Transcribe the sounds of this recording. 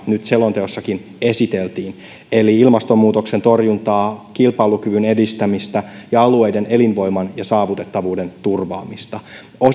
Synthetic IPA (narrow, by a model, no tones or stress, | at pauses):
nyt̪se̞lo̞nt̪e̞osːɑkin | e̞sit̪e̞lt̪iːn | e̞liilmɑst̪o̞mːuːt̪o̞kse̞nt̪o̞rjunt̪ɑːkilpɑlukyʋyne̞dist̪æmist̪æjɑɑlue̞jde̞nʔe̞linʋo̞jmɑnjɑsɑːʋut̪e̞t̪ːɑʋuːde̞nt̪urʋɑ̰ːmist̪ɑ | o